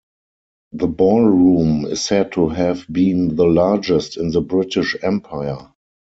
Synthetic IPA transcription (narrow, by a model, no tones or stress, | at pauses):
ðəbɔlɹũːmɪssɛd̚tʰuɦɛvbĩːnðəlad͡ʒɛstɪ̃nðəbɹɪtɪʃɛ̃mpʰaɪə˞